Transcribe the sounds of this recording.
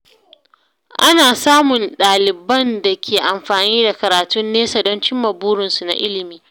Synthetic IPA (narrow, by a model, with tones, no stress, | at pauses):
ʔa˦naː˨saː˦mʊ˨nɗaː˨lɪ˨bɐ˦nda˨kʲʰeː˨ʔa˨mɸaː˨niː˦da˨kɐ˨ɾaː˨tʊ˦nːeː˦sa˨dɔ˦nt͡ʃɪ˦mːɐ˨buː˦ɽɪ˨nsu˨na̰˨ʔɪ˦lɪ˨miː˦